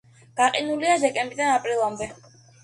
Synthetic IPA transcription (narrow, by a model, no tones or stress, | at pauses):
ɡ̥aqʼinuliad̪ɛkʼɛmbɾid̪anapʼɾilˠamd̪ɛ